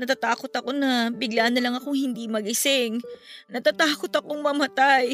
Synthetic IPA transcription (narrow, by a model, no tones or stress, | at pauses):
nɐt̪at̪aːko̞t̪ɐko̞nɐbɪɡlaːnɐlɐŋɐkʊŋhɪnd̪imɐɡɪsɪŋnɐt̪at̪aːko̞t̪ɐkoŋmɐmɐt̪aj